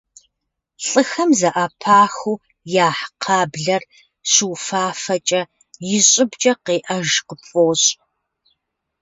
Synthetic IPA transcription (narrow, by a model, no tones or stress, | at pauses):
ɬʼɨxɐmzɐʔɐpʰaːxuː | jaːħqʰɑːbɮɐr | ɕuwfaːfɐt͡ʃʼɐ | jɪɕʼɪbt͡ʃʼɐqeːʔɐʒqəpʼoːɕʼ